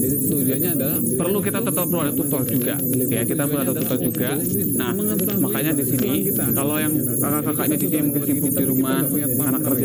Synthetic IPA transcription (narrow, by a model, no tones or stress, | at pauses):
d͡ʒa | pərlukit̪at̪ət̪ɔpəluadat̪ut̪ɔhd͡ʒuɡa̰ | jakit̪apuladat̪ut̪ɔhd͡ʒuɡa | nah | makaɲadisini | kalojaŋ | kakaʔkakaʔɲatisiaməkisipuk̚diɾumah | anakːərd͡ʒa